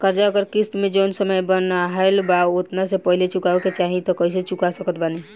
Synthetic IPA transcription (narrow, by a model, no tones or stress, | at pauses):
kəɾd͡ʒaəɡəɾkist̪med͡ʒonsəməjbənaɦelbaot̪nasepəɦilet͡ʃukaeket͡ʃaɦĩt̪ɔkəis̬et͡ʃukasəkət̪bani